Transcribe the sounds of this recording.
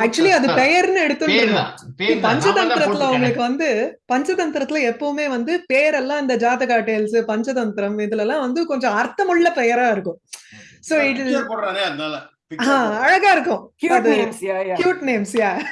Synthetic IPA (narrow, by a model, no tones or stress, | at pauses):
ɐːk̚t͡ʃʊɐliɐðɯpɛjɐɾnɯɛɽɯt̪ːɯɪɾɯnɐ̃pɐɲd͡ʒɐt̪ɐnt̪ɪɾɐt̪ːɪlʊŋɡɐɭɯkːɯʋɐnd̪ɯpɐɲd͡ʒɐt̪ɐnt̪ɪɾɐt̪ːɪlɐɛpːɐːʋɯmeːʋɐnd̪ɯpeːjɐɾɛlːãːɪnd̪ɐd͡ʒaːt̪ɐkaːʈːeːɐlsɯpɐɲd͡ʒɐt̪ɐnt̪ɪɾɐmɛnðɯlɛlːãːʋɐnd̪ɯkɔɲd͡ʒɔ̃ɐɾt̪ːɐmʊɭːɐpɛjɐɾaːɪɾɯkːʊ̃soːɪʈːpoɽɾãːneːɐðnaːlɐ | ãːɐɻɐɣaːɪɾɯkːʊ̃kɐðɯkjuːʈneːmsjaː